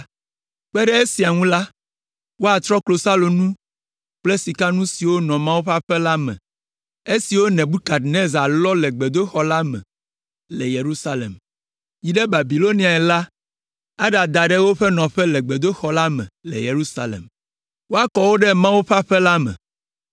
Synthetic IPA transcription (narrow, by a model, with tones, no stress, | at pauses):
k͡pɛ˦ɖɛ˦e˦si˨a˨ŋũ˦la˦ | wo˦a˨t̪ɾɔ˦klo˨sa˦lo˨nũ˦ | k͡plɛ˦si˨ka˦nũ˦si˨wo˦nɔ̃˨mã˦wu˦ɸa˦ɸɛ˦la˦mɛ̰̃˨ | e˦si˨wo˦nɛ̃˨bu˦ka˨d̪nẽ˦za˨lɔ˦lɛ˨ɡ͡be˨d̪o˦xɔ˦la˦mɛ̰̃˨ | lɛ˨je˨ɾu˦sa˦lḛ˨m | ji˨ɖɛ˦ba˨bi˨lo˦nĩ˨˦a˨ɛ˨la˦ | a˦ɖa˨d̪a˨ɖɛ˦wo˦ɸɛ˦nɔ̃˨ɸɛ˦lɛ˨ɡ͡be˨d̪o˦xɔ˨la˦mɛ̰̃˨lɛ̰˨je˨ɾu˦sa˦lḛ˨m | wo˦a˦kɔ˨wo˦ɖɛ˦mã˦wu˦ɸa˦ɸɛ˦la˦mɛ̰̃˨